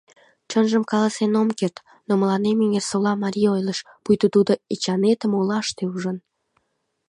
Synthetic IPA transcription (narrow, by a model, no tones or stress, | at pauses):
t͡ɕənʒəmkɑlɑsenomkert̪ | noməlɑnemiŋersolɑmɑɾʲiojləʃ | pujt̪ut̪ud̪oit͡ɕɑnet̪əmolɑʃt̪euʒən